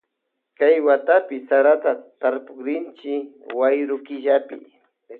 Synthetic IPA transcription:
kajwat̪apɪsaɾat̪at̪aɾpʊkɾɪnt͡ʃɪwajɾʊkɪʒapɪ̰

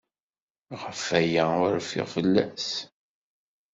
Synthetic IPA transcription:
ʁəfæjæʊɾfɪ̰ʁfəlːæs

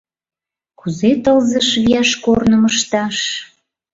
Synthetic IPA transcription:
kuzet̪əlzəʃβiɑʃkornəməʃt̪ɑʃ

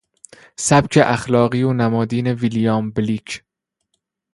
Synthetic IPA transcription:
sæbcʰeʔæxlɒːɣiːonæmɒːd̪iːnevilijɑːmbliːkʰ

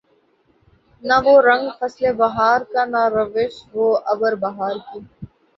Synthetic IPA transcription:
naʋoːɾə̃ŋɡfɐslebɐɦaːɾkanaɾəʋɪʃʋoːʔɐbəɾbɐɦaːɾki

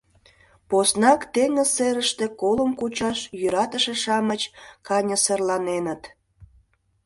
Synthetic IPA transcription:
posnɑkt̪eŋəseɾəʃt̪ekoləmkut͡ɕɑʃjyɾɑt̪əʃeʃɑmət͡ɕkɑnʲəserlɑnenət̪

